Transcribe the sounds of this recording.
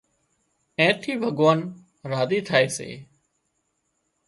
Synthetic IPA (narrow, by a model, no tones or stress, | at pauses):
ẽːt̪ʰiːbʱəɡʋaːn | ɾaːziːt̪ʰaːeːsḛː